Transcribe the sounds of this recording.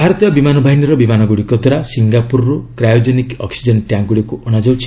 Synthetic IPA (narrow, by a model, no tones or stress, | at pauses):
bʱaɾɔt̪jbimanɔbʱaɦinɔɾɔbimanɔɡuɽikɔd̪ɔɾasiŋɡapuɾɾukɾajɔd͡ʒɔnikɔ̰ksid͡ʒɔnʈjaŋɡuɽijɔkuɔnad͡ʒɔwt͡ʃʰi̥